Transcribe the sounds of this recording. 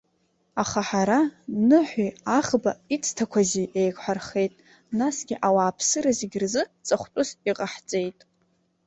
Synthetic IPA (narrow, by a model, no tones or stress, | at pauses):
aχaħaɾanɨħʷiaχbait͡sʰʼtʰakʷʰaziʔejkʰʷʼħʷᶣarχe̞jtʼ | nasɡʲiʔawaːpʰsɨɾaziɡʲrzɨt͡sʼaχʷtʷʼʊsiqʼaħt͡sʼe̞jtʼ